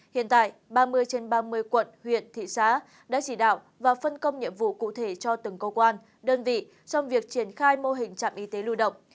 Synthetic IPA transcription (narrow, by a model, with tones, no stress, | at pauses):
hḭ˧˨ənt̪a̰ː˧˨jɓaː˧mɨ˧əjt͡ɕe˧nɓaː˧mɨ˧əjkwə̰˧˨nhwḭ˧˨ənt̪ʰḭ˧˨saː˨˦ | ɗa̰ː˧˥t͡ɕi˧˩ɗa̰ː˧˨w | vaː˨˩fə˧nkə˧wŋ͡mɲḭ˧˨əmvṵ˧˨kṵ˧˨t̪ʰe˧˩t͡ɕɔ˧t̪ɨ˨˩ŋkə˧wkwaː˧n | ɗəː˧nvḭ˧˨ | t͡ɕɔ˧wŋ͡mvi˨˩ək̚t͡ɕi˧˩ənxaː˧jmo˧ɦï˨˩ŋ̟t͡ɕa̰ː˧˨mʔi˨˦t̪e˨˦lu˧ɗə̰˧˨wŋ͡m